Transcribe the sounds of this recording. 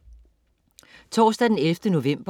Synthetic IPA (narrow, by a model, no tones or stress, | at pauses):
t͡sʰɒ̰ːsd̥æd̥enelfd̥əno̝ʋem̰b̥